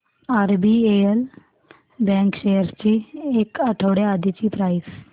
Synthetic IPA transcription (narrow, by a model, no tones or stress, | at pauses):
aɾbieəl | bɛ̃ŋkɕejəɾt͡ɕiekəʈʰəʋɽead̪it͡ɕiːpɾajs